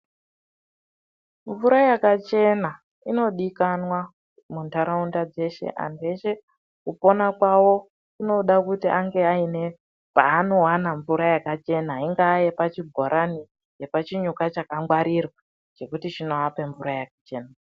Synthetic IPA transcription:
ɱvuɾajakat͡ʃe̞na | ino̞ɗikanwa | muntaɾaundad͡ze̞ʃe̞̰ʔa̰nde̞ʃe̞ | kupo̞nakwawo̞ | ino̞ɗakutiʔaŋɡe̞aine̞ | paːno̞wanaɱvuɾajakat͡ʃe̞naiŋɡaːjepat͡ʃibʱoɾʔani | je̞pat͡ʃiɲukat͡ʃakaŋɡwaɾirwa | d͡ʒe̞kutit͡ʃino̞ape̞ɱvuɾajakat͡ʃe̞ːna

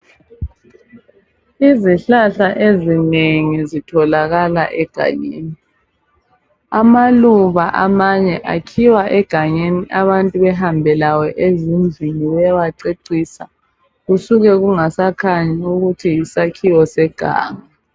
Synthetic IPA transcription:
iziɬaɬaʔezineŋizitʰɔlaɣala̰ʔɛɡ̥ʱa̰ɲḛːni | amaluβaʔamaɲɛʔakʰiwaʔɛɡ̥ʱaɲeniʔaβantʼuβɛɦambʱɛlawɛʔezind͡ɮʱiŋiwɛwaǀeǀisa | ɣusuɣɛɣuŋasakʰaɲiuɣutʰiːsakʰiwɔsɛɡ̥ʱa̰ːŋa

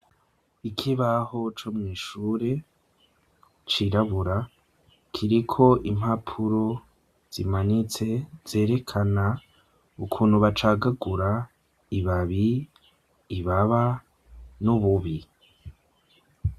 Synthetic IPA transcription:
ikʰiβaho̞t͡ʃomŋiːʃuːɾe̞ | t͡ʃiɾaβuɾa | kʰiɾikʰo̞ʔim̥hapʰuɾo̞ | z̥imanit͡se̞z̥e̞ːɾe̞kʰana | ukʰuːn̥huβat͡ʃaːɡaɡuɾa | iβaβiː | βaβa | nuβuβi

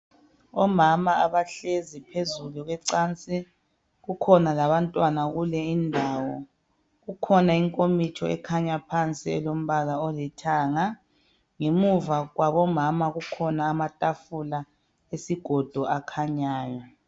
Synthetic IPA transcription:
ɔmamaːβaɬezipʰezuluɣwɛǀaːnt͡sʼi | ɣukʰɔnalaβantʼwanaɣulɛindʱaːwɔ | ɣukʰɔnaiŋkʼomit͡ʃʰɔɛ̰kʰaɲapʰant͡sʼiɛlom̩βalaɔlɛtʰaːŋa | ŋemuvaɣwaβɔmamaɣukʰɔnaːmatʼafula | esiɡ̥ʱɔd̥ʱɔʔakʰaɲaːjɔ

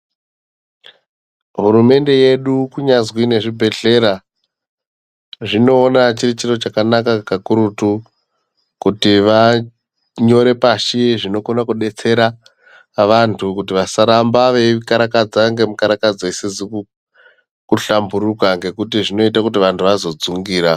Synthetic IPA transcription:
ɦuɾume̞nde̞je̞ɗukuɲazwine̞ʐibʱe̞ɬe̞ɾa | ʐino̞ːnat͡ʃirit͡ʃiro̞t͡ʃakanakakakuɾutu | kutiʋa | ɲo̞ɾe̞paʃiʐino̞ko̞nakuɗe̞t͡se̞ɾa | ʋantʰukutiʋasaɾambaʋe̞kaɾakad͡zaŋɡe̞mukaɾakad͡zaesed͡zi | kuɬambuɾukaŋɡe̞kutiʐino̞itakut̬iʋantʰuʋazo̞d͡zuŋɡiːɾa

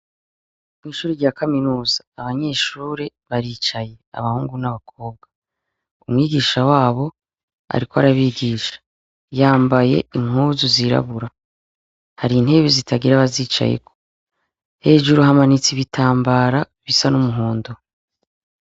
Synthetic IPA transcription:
mŋiːʃuːɾiɟaːkaminuːzaːβaɲe̞ːʃuːɾeβaɾiːt͡ʃaje̞a̰βahuːŋɡunaβakʰo̞ːb̚ɡa | umŋiːɡiːʃawaːβo̞ | a̰ɾikoaɾaβiɡiːʃḁ | jaːmbaje̞̰iŋ̥uzuziɾa̰βuɾa | haɾiːn̥he̞βezitʰaɡiɾaβaziːt͡ʃa̰jḛkʰo̥ | he̞ːʒuɾuɦamanit͡siβitʰaːmbaːɾa | βisanumuɦuːndo

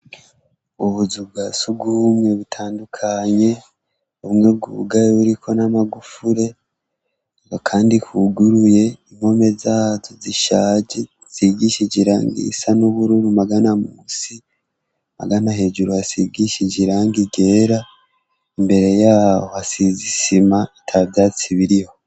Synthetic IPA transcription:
uβuzub̚ɡasubɡuːmŋeβutʰaːndukʰaɲe̞ | uβŋebɡṵɡajeβuɾikʰo̞namaɡufuɾe̞ | βokʰaːndikuɡuɾuje̞im̥o̞me̞zaːzoziʃaːd͡ʒi | z̥iɡiʃiɟiɾa̰ːŋɡḭsanuβuɾuɾumaɡanamusi | ma̰ɡanaɦe̞d͡ʒuɾuasiɡiʃiɟiɾaːŋɡiɡe̞ːɾa | imbe̞ɾe̞jaːhoasizisimaitʰabjaːt͡siβiɾiho̞

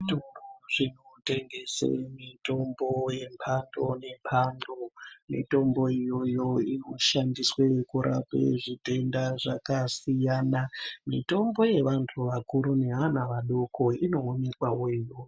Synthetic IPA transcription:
tooʐin̤ote̞ŋɡe̞sḛmito̞mboje̞mpʰandone̞mpʰandomḭto̞mbo̞ijo̞joinoʃandiswekuɾʔa̰pḛʐite̞ndaʐakasijaːnamito̞mbo̞je̞ʋantʰuʋakuɾune̞ɦanaʋaɗokʰoino̞ːne̞kwawoijo

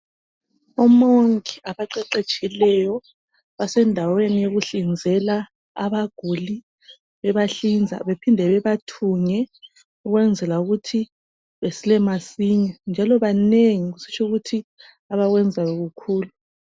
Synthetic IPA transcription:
ɔmoŋkiaβaǃɛǀet͡ʃʼʰilɛjɔ | βasɛndʱawenijeɣuɬind͡zʱɛla̰ː | βaɡ̥ʱuli | βɛβaɬind͡zʱa̰βepʰindʱɛβɛβatʰuŋɛ | uɣwɛnd͡zʱɛlauɣutʰi | βesilɛmasiɲɔnd͡ʒʱalɔβaneŋiɣusi̥t͡ʃʰuɣutʰi | aβaɣwɛnd͡zʱajɔɣukʰuːlu

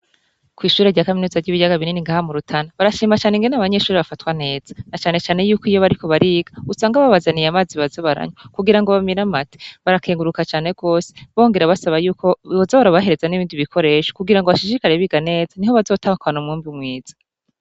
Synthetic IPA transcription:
kwiːʃuːɾeɾɟaːkaminuzavɟiβijaɡaβininiŋɡaːhamuɾutʰanaβaɾaʃiːmat͡ʃaːneŋɡe̞naβaɲe̞ʃuːɾiβafatwane̞ːz̥ḁnat͡ʃaːne̞t͡ʃaːne̞juːkijo̞βaɾiko̞βaɾiɡausaːŋɡaβaβazanijamaːziβazoβaɾa̰ɲokuɡiɾaŋɡo̞βamiɾamati̥βaɾakʰe̞ːŋɡuɾukat͡ʃaːne̞ɡ̥o̞ːse̥βo̞ːŋɡe̞ɾaβasaβajuːkoozoβaɾaβaɦe̞ɾe̞zaniβiːndiβikʰo̞ɾe̞ːʃo̥kuɡiɾaŋɡoβaʃiʃikaɾe̞βiɡane̞ːz̥aniɦo̞βazo̞ːtahukanumŋuːmbumŋiːz̥ḁ

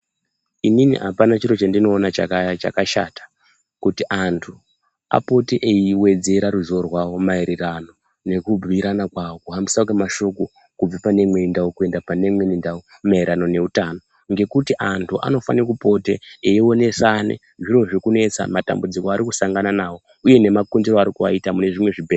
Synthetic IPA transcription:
ininḭɦapanat͡ʃiɾo̞t͡ʃandino̞ːnat͡ʃakat͡ʃa̰kaʃa̰tḁ | kutiʔantʰu | a̰po̞teʔeiwe̞d͡ze̞ɾaɾuzo̞rwawo̞maiɾirano̞ | ne̞kub͡vʱiɾanakwawokuɦambisakemaʃo̞ko̞ | kub͡vapane̞mweindawokue̞ndapane̞mwenindawo | mairano̞ne̞utano̞ | ŋɡe̞kutiʔantʰuʔa̰no̞fa̰nikupo̞tḛeio̞ne̞sanḛ | ʐiro̞ʐikune̞t͡sa̰mata̰mbud͡zikoaɾikusaŋɡananawo̞ | uje̞ne̞makundiro̞aɾikuʋa̰itamune̞ʐimwe̞ʐibʱer

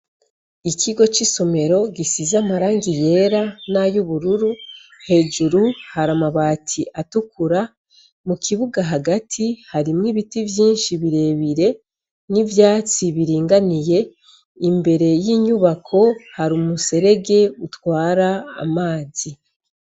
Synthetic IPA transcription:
iciɡo̞t͡ʃiso̞me̞ɾo̞ɡisizamaɾaːŋɡije̞ɾanajuβuɾuɾuhe̞ːd͡ʒuɾuhaɾamaβaːtʰiʔatukuɾa | mukiβuɡaɦaɡatʰihaɾimŋiβitivjiːnʃiβiɾe̞βiɾe̞ | nivjaːt͡siβiɾiːŋɡanije̞ | imbe̞ɾe̞jiɲuβakʰo̞haɾumuse̞ɾe̞ɡe̞utwaːɾa̰ːmaːzi

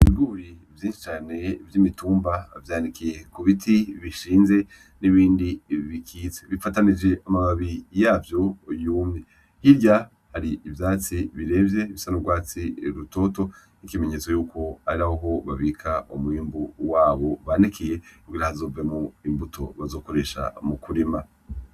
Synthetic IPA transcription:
iβiɡuɾivjiːnʃi̥t͡ʃaːne̞vjimituːmbavjaːnikije̞kuβitʰiβiʃiːnze̞ | niβiːndiβikʰiːzeβifatanid͡ʒe̞ʔamaβaβijaːvjo̞juːmɲe | hiɾɟa | haɾiːvjaːt͡siβiɾe̞vje̞βisanuɡwaːt͡siɾuto̞to̞ | nikimeɲe̞t͡so̞juːko̞aɾiɾahoɦo̞βaβiːkʰaʔomwiːmbuwaːβo̞βanikʰije̞kuɡiɾahazo̞ːvemoimbutʰo̞̰βazo̞ːko̞ɾe̞ːʃa̰mukuɾima

